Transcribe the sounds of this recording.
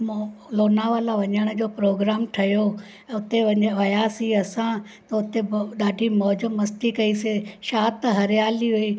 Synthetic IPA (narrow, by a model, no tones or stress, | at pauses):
mloːnaːʋalaʋɐɲəɽ̃ə̆d͡ʑoːpɾoːɡɾaːmʈʰɐjo | ʊt̪eʋɐɲʋɐjaːsiɐsã | t̪ɐʊt̪eɗaːɖʱimɔːd͡ʑəmːɐsʈikɐiseʃaːt̪ɦɐɾɪjaːliɦuiː